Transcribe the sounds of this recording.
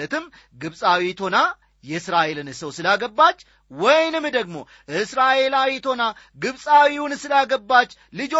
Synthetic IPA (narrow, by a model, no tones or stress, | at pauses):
ət̪ɨmː | ɡɨβsʼawit̪ʰo̞na | jɛɨsɾaʔe̞lɨnsəwsɨlaɡəbːat͡ʃː | wɔjnɨmd̪əɡmo̞̰ | ʔɨsɾaʔe̞lawit̪ʰo̞na | ɡɨβsʼawiunsɨlaɡəbːat͡ʃː | lɨd͡ʒo